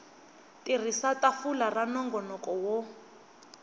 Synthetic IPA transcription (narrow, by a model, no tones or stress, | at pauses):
tʼir̤isatʼafularanɔŋɡɔnɔkʼɔwɔ